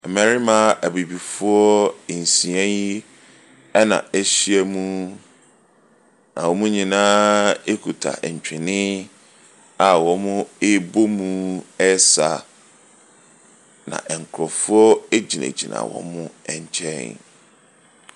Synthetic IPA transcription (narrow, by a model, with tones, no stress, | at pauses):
ɛ˨mæ̃˨ɾi˦mã˦ʔæ˨bi˨bi˨fʊ˦ɔ˦˨n̩˨sĩ˨ɛ̃˦nji˦ | ɛ˦nã̰˨e˦ɕi˦æ˨mũ˦ | nã̰˨wɔ˨mũ˦ɲĩ˨nãː˦e˦kʰu˨tʰa̰˨ʔɛ˨ɲ˨t͡ɕᶣɪ˨nɪ̃˦ | a˨wɔ̃˨˦mʊ̃˦e˦bo˦mũ˦ɛ˦sa̰˨ | nã̰˨ʔɛ˨ŋ˨kʰɾɔ˨fu˦ɔ˦e˦d͡ʑi˨nḛ˨d͡ʑḭ˨nã̰˨wɔ̰̃˦mʊ̃˦ɛ˨ɲ˦t͡ɕʰɛ̰̃˦˨ŋ